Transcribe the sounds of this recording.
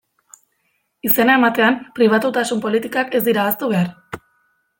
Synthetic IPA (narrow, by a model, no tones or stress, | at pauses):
ise̞nae̞mat̪e̞ampɾiβ̞at̪ut̪asumpo̞lit̪ikake̞zd̪iɾaːst̪uβe̞ar